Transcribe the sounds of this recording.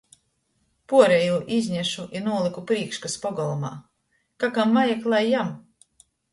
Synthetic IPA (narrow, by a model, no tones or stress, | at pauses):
puɔɾejuːʔizʲɲʲæʃuʔinuɔlˠikupɾiːkʃkaspɔɡɔlˠɔma̰ː | kakamvajaklˠajːam